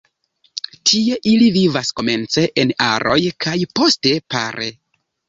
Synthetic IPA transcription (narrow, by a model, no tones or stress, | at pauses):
tʰie̞ʔilivivasko̞me̞nt͡se̞ʔena̰ɾʔo̞jkʰajpo̞ste̞pa̰ɾʔe̞